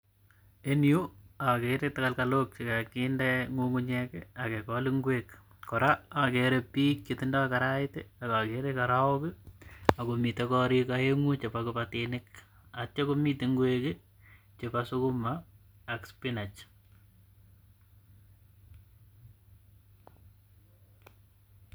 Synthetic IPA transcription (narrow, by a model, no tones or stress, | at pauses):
enjuakeɾetakalkalok̚t͡ʃekakindeŋuŋɡuɲɛkeakekɔliŋɡwek | kɔɾaakeɾepiːk̚t͡ʃetɪndakakaɾaɪtḛakakeɾekaɾaokɪakomitekɔɾikaeŋut͡ʃepakupatinɪk | at͡ʃokomiteŋɡweke | t͡ʃepasukumaː | kspinat͡ʃ